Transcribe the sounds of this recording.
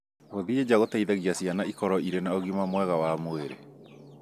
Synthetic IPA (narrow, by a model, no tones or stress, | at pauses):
ɣoðied͡ʒaɣotaiðaɣiasjanaikɔɾɔiɾenaoɣimamwɛɣawamoeɾḛ